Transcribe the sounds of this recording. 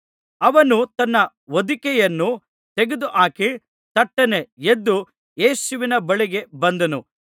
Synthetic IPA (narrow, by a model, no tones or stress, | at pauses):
ɐʋɐnut̪ɐnːɐ | ʋod̪ikɛjɐnːu | t̪eɡed̪uʔaːki | t̪ɐʈːɐneed̪ːu | jeːsuʋinɐbɐɭiɡe̞bɐnd̪ɐnu